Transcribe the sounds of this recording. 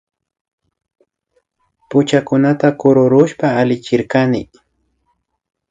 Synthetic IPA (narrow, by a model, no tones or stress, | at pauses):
pʊt͡ʃakʊnat̪akʊɾʊɾʊʃpaːlɪt͡ʃɪɾkanɪ̰